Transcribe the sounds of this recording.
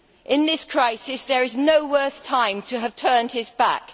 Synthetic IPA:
ʔɪ̃nðɪskʰɹ̥aɪsɪsðəɹɪznoʊwɜˑθtʰãɪ̃mtʰəːv̥tʰɜːnd̥̚ɪzba̰k

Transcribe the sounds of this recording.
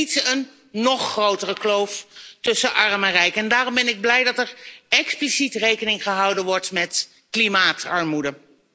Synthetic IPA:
itsənː | ɔχːrowtərəklowftɵsəʔɑɹmɛnrɛjkɛndaːrɔmbɛnɪɡ̚blɛjdɑtɛɹɛksplisitrejkənɪŋχəɦɑwdənʋɔɹtmɛt | klimaːtɑɹmudə

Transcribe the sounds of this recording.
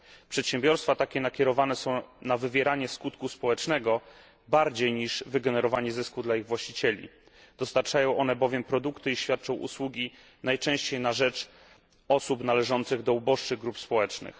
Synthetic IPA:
pʂɛt̪ɕɛmbʲjɔɾst̪fat̪akʲɛnakʲɛɾɔvanɛsɔ̃w̃navɘvʲjɛɾaɲɛskut̪kuspɔwɛt͡ʂnɛɡɔ | baɾd͡ʑejɲiʐvɘɡɛnɛɾɔvaɲɛzɘskud̪laiɣvwaɕt͡ɕit͡ɕɛlʲḭ | d̪̥ɔst̪aɾt͡ʂajɔ̃w̃ʔɔnɛbɔvʲjɛmpɾɔd̪ukt̪ɘiɕfʲjat̪̚t͡ʂɔ̃w̃ʔṵswuɡʲi | najt͡ʂɛ̃w̃ɕt͡ɕejnaʐɛt͡ʂ | ɔsupnalɛʐɔnt̪sɘɣd̪ɔubɔʂt͡ʂɘɣɡɾupspɔwɛt͡ʂnɘ̰x

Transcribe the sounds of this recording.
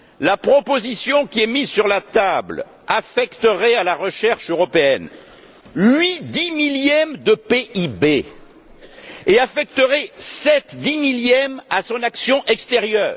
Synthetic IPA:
lapχɔpozisjɔ̃kʲiɛmizsyʁlat̪abl | afɛkt̪əʁɛalaʁəʃɛʁʃøʁɔpeɛn | ɥid̪imiljɛmd̪əpeʔibe | eafɛk̚t̪əʁɛsɛt̪d̪imiljɛmasɔ̃naksjɔ̃ʔɛkst̪eʁjœːʁ

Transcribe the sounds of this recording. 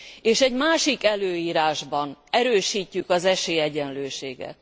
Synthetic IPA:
eːʃɛɟmaːʃikɛløːjiːɾaːʒbɒnɛɾøːʃiːcːykɒzɛʃeːɛɟɛnløːʃeːɡɛ̰t̪̚

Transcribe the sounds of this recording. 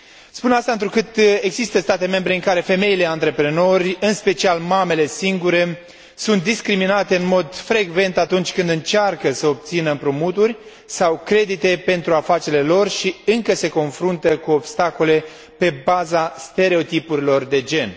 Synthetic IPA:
spunast̪aɨnt̪ɾukɨt̪e̞ɡzist̪əst̪at̪e̞me̞mbɾe̞ɨŋkaɾe̞fe̞me̞ile̞ant̪ɾe̞pɾe̞no̞rʲɨnspe̞t͡ʃialmame̞le̞siŋɡuɾe̞ | sunt̪̚d̪iskɾiminat̪e̞ɨnmo̞d̪fɾe̞ɡve̞nt̪at̪unt͡ʃʲkɨnd̪ɨnt͡ʃarkəsəob̚t̪sinəmpɾumut̪urʲ | sawkɾe̞d̪it̪e̞pe̞nt̪ɾuafat͡ʃe̞le̞lo̞rʃiɨŋkəse̞ko̞nfɾunt̪əkuo̞bst̪ako̞le̞ | pe̞bazast̪e̞ɾe̞o̞t̪ipuɾilo̞rd̪e̞d͡ʒe̞n

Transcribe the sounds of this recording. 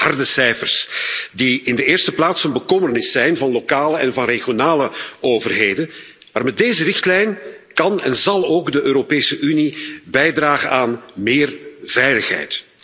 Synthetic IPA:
hɑrdəsɛjfərsdiɪndəɪːrstəplaːtsənbəkɔmərnɪsɛjnvɑnlokaːləɛnvɑnreɣjonaːləoːvərɦeːdən | maːrmɛt̚deːzərɪxtlɛjn | kɑnɛnzɑlˠoːɡdəʔøːɾopeːsəʔynibɛjdraːɣənaːnmɪːrv̥ɛjləxɦɛ̰jt

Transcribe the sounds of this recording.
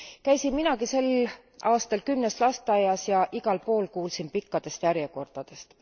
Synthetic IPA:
kæjsinminɑkise̞l | ʔɑːst̪ɑlkymneslɑst̪ˑɑjɑsjɑʔiɡ̥ɑlpo̞ːlkuːlsinpikːɑd̪̥e̞st̪jæɾjeko̞rd̪̥ɑd̪̥e̞st̪

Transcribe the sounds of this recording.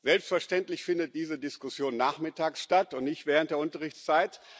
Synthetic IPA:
z̥ɛlpstfɛɐʃtɛntlɪçfɪndət̚d̥iːzədɪskʊsjoːnːaːχmɪtaːksʃtatʊntnɪçtvɛːʁənt̚d̥eːɐʊntɐʁɪçt͡st͡saɪt

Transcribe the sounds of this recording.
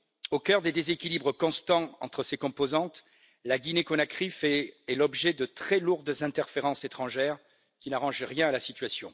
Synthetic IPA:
okœʁd̪ed̪ezekʲilibʁəkɔ̃st̪ɑ̃ɑ̰̃t̪χəsekɔ̃pozɑ̃t̪ | laɡʲinekɔnakχifɛɛlɔbʒɛd̪ət̪χɛluʁd̪zɛ̃t̪ɛʁfeʁɑ̃set̪χɑ̃ʒɛʁ | kʲinaʁɑ̃ʒʁjɛ̃alasit̪ɥasjɔ̃

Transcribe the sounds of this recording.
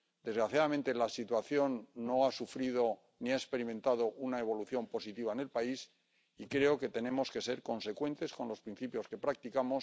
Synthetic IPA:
d̪e̞zɣɾaθjaðamẽ̞nt̪e̞lasit̪waθjo̞nːo̞asufɾið̞o̞ | niaekspe̞ɾimẽ̞nt̪aðoʔunae̞β̞o̞luθjo̞mpo̞sit̪iβ̞aene̞lpais | ikɾe̞oke̞t̪e̞nẽ̞mo̞ske̞se̞ɾko̞nse̞kwe̞nt̪e̞sko̞nlo̞spɾin̟θipjo̞ske̞pɾak̚t̪ikamo̞s

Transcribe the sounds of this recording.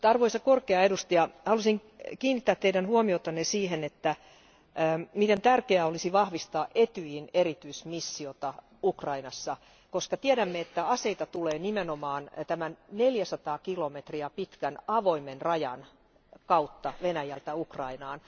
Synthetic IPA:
t̪ɑrʋoisɑkorkeɑedust̪iɑhɑlusiŋkiːnːit̪ːæːt̪t̪ːeiɾænhuomiot̪ɑnːesiːhenet̪ːæː | mit̪ent̪ærkeæolisiʋɑhʋist̪ɑːʔet̪yjhineɾit̪yismisːiot̪ɑ | ukrɑinɑsːɑ | koskɑt̪ieɾæmːeet̪ːæɑseit̪ɑt̪uleːnimenomɑːnt̪æmænneljæsɑt̪ɑːkilomet̪riɑpit̪kænɑʋoimenrɑjɑ̰n | kɑut̪ːɑʋenæjælt̪æukrɑinɑːn

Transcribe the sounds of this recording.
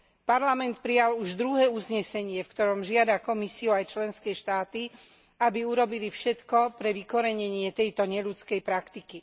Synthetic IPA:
paɾlamɛnt̪pɾijaluʒd̪ɾuɦɛːuzɲɛsɛɲɪɛfkt̪ɔɾɔmʒɪad̪akɔmisiuajt͡ʃlɛnskɛːʃt̪aːt̪i | abiuɾɔbilifʃɛt̪kɔpɾɛʋikɔɾɛɲɛɲɪɛt̪ɛjt̪ɔɲɛʎut͡skɛjpɾakt̪iki

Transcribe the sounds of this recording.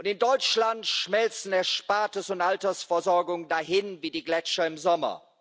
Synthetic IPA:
ʔʊntɪndɔʏt͡ʃlantʃmɛlt͡sn̩ɛɐʃpaːtəsʊntʔaltɐsfɛɐzɔɐɡʊŋədahɪnviːdiːɡlɛt͡ʃɐɪmzɔmɐ̰

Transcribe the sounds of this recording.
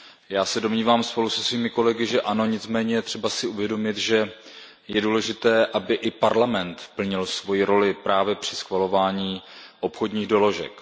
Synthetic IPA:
jaːsɛdo̞mɲiːvaːmspo̞lusɛsviːmɪko̞lɛɡɪʒɛʔano̞ɲɪtt͡smɛːɲɛjɛt̪r̝̥ɛbasɪuvjɛdo̞mɪt̪ʒɛ | jɛduːlɛʒɪt̪ɛːʔabɪʔɪpaɾlamɛnt̪pl̩ɲɪlsvo̞jiɾo̞lɪpɾaːvjɛpr̝̥ɪ̥sxvalo̞vaːɲiːʔo̞pxo̞dɲiːɣdo̞lo̞ʒɛ̰k

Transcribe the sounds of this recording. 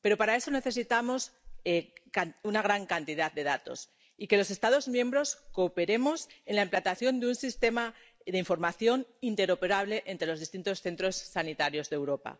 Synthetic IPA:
pe̞ɾo̞paɾae̞so̞neθe̞s̬it̪amo̞sekaunaɣ̞ɾaŋkant̪iðat̪̚d̪e̞ð̞at̪o̞̰s | ike̞lo̞s̬e̞st̪að̞o̞zmjẽ̞mbɾo̞sko̞pe̞ɾe̞mo̞se̞nlaemplant̪aθjo̞nd̪eunsist̪e̞ma | ðeiɱfo̞ɾmaθjo̞nint̪e̞ɾo̞pe̞ɾaβ̞le̞ʔent̪ɾe̞lozð̞ist̪int̪o̞sθe̞nt̪ɾo̞sːanit̪aɾjo̞zðewɾo̞pa̰

